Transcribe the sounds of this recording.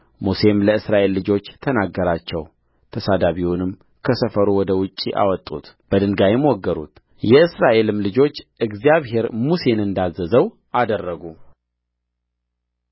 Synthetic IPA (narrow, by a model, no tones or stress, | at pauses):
muse̞mləɨsɾaʔe̞lːɨd͡ʒo̞t͡ʃːt̪ʰənaɡːəɾat͡ʃːɛw | t̪ʰəsad̪aβiwunɨm | kʰəsəfəɾuwɔd̪əwʊt͡ʃʼːiʔa̰wɔt̪ʼːṵt̪ | b̥əd̪ɨŋɡajɛmwɔɡːəɾṵt̪ | jɛɨsɾaʔe̞lɨmlɨd͡ʒo̞t͡ʃːɨɡzijaβɦe̞ɾmuse̞nɨnd̪azːəzəw | ad̪ərːəɡu